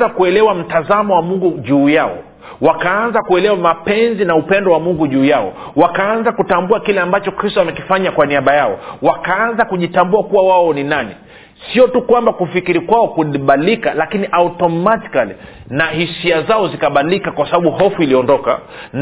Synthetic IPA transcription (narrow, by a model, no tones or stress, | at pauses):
akuɛlɛwam̩tazamɔwamuŋɡuʄuːjaɔ̰ | wakaanzakuɛlɛwamapɛnzinaupɛndɔwamuŋɡuʄuːjaɔ̰ | wakaanzakutambuakilɛambat͡ʃɔkɾistɔamɛkifaɲakwaniaɓajaɔ̰wakaanzakuʄitambuakuwawaɔninanḭ | siɔtukwambakufikiɾikwaɔkuliɓalikalakiniʔautɔmati̥kali | nahisiazaɔzikaɓailikakwasaɓaɓuɦɔfuiliɔndɔka̰n